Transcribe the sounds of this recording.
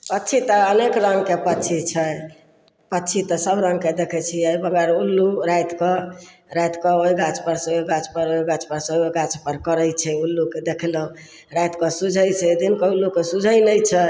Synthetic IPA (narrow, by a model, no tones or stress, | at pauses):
pətːʃʰit̪ɔənekɾəŋɡkepətːt͡ʃʰit͡ʃʰɛ | pətːt͡ʃʰit̪ɔsəbɾə̃ŋɡked̪ekʰɛt͡ʃʰiəjbəɡəɾulːuɾajt̪kɔ | ɾajt̪kɔoiɡat͡ʃpəɾsẽoɡat͡ʃpəɾoiɡat͡ʃpəɾsẽoɡat͡ʃpəɾkəɾəjt͡ʃʰɛulːuked̪ekʰlɔ | ɾajt̪kɔsud͡ʒʱəjt͡ʃʰɛd̪inkɔulːukesud͡ʒʱəjnəjt͡ʃʰɛ